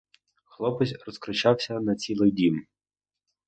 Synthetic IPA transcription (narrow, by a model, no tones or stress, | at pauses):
xlˠɔpɪsʲrɔskɾʊt͡ʃɑwsʲɐnɐt͡sʲilˠɪjdʲim